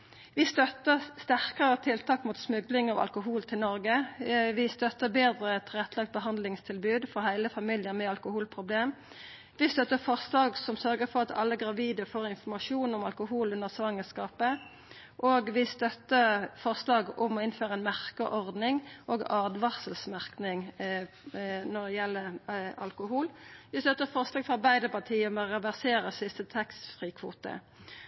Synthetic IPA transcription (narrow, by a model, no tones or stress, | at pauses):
ʋɪst̪œt̪əʁst̪æʁkəʁət̪ʰɪlt̪ʰɑːkmuːt̪smʉɡlɪŋɑʋɑ̰lkʊɦuːlt̪ʰɪlnɔʁɡəʋɪst̪œt̪ːəbeːd̪ʁət̪ʰɪlʁɛt̪ːlɑkt̪̚bəɦɑnd̪lɪŋst̪ʰɪlbʉːd̪fɔhæɪləfɑmɪljəʁmɛɑlkʊhuːlpʰʁʊbleːm | ʋɪst̪œt̪ːəfɔʁslɑːɡsɔmsœʁɡəfɔʁɑt̪ɑ̰lːəɡʁɑʋiːd̪əfoːʁɪnfɔmɑʃuːnʊmɑlkʊhuːlʉnəʁsʋɑŋːəskɑːpə | ʔoːɡʋɪst̪œt̪ːəfɔʁslɑːɡʊmɔɪnføːʁəɛnmæʁkəʔɔʁd̪nɪŋʔoːɡɑːd̪ʋɑsəlsmæʁknɪŋ | nɔd̪ɛjɛlːəɑ̰lkʊhuːlʋɪst̪œt̪ːəfɔʁslɑːɡfɔʁɑbæɪd̪əpɑt̪ʰiːmøʁɛʋæʁseːɾəsɪst̪ət̪ʰɑkst̪fʁiːkʰʋuːt̪ə̰